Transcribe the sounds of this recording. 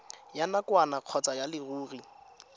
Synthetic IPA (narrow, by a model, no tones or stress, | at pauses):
janakwanaq͡χʰɔt͡sajalɪruːri